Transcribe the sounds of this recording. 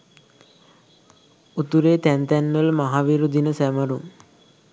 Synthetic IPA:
ut̪uɾeːt̪ænt̪ɛnːələmaɦaʋiɾud̪ʱinəsæməɾuŋ

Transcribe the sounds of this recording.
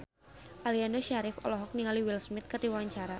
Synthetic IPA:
ʔaliandoʃaɾɪfɔ̰lɔɦɔk̚niŋaliwɪlsmɪt̪̚kɨrdiwawaɲt͡ʃaɾa

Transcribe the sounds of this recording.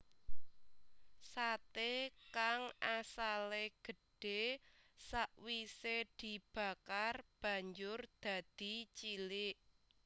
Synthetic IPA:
sat̪ekaŋasaleɡ̥ə̤ɖ̥e̤saʔwised̪̥i̤b̥a̤karb̥ä̤ɲd͡ʒʊrd̪̥ä̤d̪̥i̤t͡ʃilɪʔ

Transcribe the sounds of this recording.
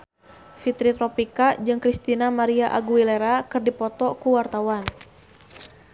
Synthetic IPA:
fit̪ɾit̪ɾɔpikad͡ʒɨŋkɾist̪inamaɾiaʔaɡuileɾakɨrdipɔt̪ɔkuwart̪awan

